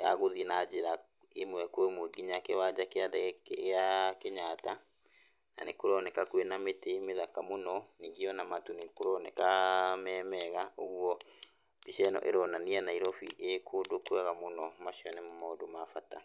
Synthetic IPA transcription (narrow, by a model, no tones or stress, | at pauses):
ja̰ɣoðinad͡ʑeɾa | emwɛkoemweɡiɲakewad͡ʒakeadkeakeɲata | na̰nekoɾɔnɛkakwenametemeðakamonɔniːŋɡiɔnamatunekoɾɔnɛkamɛːmɛɣaoɣwɔ | biʃɛnɔ̰ʔḛɾɔnanianaiɾɔfḭʔekʰodokwɛɣamonɔmaʃiɔnɛmɔmaodomafata